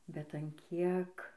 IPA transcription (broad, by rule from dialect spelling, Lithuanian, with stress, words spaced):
bʲɛt ɐn ˈkʲiɛk